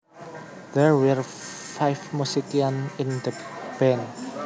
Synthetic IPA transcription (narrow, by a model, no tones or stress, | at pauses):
d̪̥ɛɹwɛɹ | fajfmusikiãnĩnd̪əb̥ɛ̃n